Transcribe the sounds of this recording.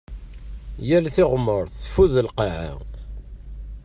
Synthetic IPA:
jælθɪʁəmːəɾˤθfuðəlqɑʕa̰

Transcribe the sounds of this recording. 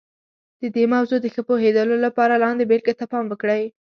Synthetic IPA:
d̪̥əd̪emawzod̪əxəpoɦed̪əlolapɑɾalɑnd̪ebelɡat̪apɑmwəkɽaj

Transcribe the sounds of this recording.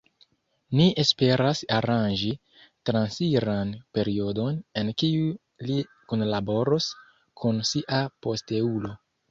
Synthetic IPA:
niʔe̞spe̞ɾasaɾand͡ʒi | tɾansiɾanpe̞ɾio̞do̞ne̞nkiu | li | kunlabo̞ɾos | kʰunsiʔapo̞ste̞ulo̞

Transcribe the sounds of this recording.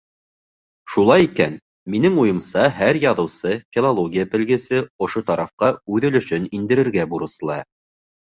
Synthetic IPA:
ʃulˠɑjikæn | minɘŋujɤ̆msɑɦæɾjɑðɤ̆wsɤfʲilˠolˠoɡʲijapɘ̆lɡɘ̆sɘŏʃot̪ɑɾɑfqɑʉðɘ̆lɵ̆ʃɵnind̪ɘ̆ɾɘ̆ɾɡæbuɾɤ̆slˠɑ

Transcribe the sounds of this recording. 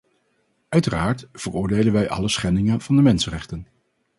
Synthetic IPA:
œɥtəraːɹtv̥ərʊːɹdejlənʋɛjʔɑ̰ləsχɛndɪŋənv̥ɑndəmɛnsənrɛχtən

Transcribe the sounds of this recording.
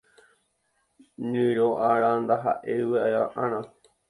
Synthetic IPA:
ɲɨ̃ɾoʔaɾand̪aɦa̰ʔeɨʋeajaʔãñã

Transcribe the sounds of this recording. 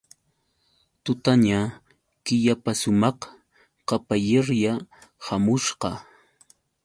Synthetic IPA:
t̪ʊt̪aɲa | kɪʎapasʊmɑχ | qɑpajeɾjahamʊʃqɑ

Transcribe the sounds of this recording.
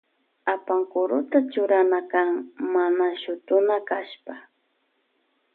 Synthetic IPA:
apaŋkʊɾʊt̪at͡ʃʊɾanakaŋmanaʃʊt̪ʊnakaʃpa

